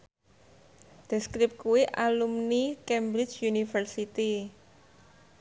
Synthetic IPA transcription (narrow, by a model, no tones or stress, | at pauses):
d̪̥ɛ̤skɾɪp̚kuwiʔalumnikɛmbɾɪt͡ʃjunifərsit̪i